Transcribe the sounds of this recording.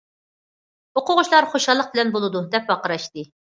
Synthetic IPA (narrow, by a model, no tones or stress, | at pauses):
oqʊʁʊʃlˠɑɾχoʃɑlˠːəq̚bɪlɛnbolˠɨd̪ud̪ɛp̚wɑqəɾɑʃt̪ɨ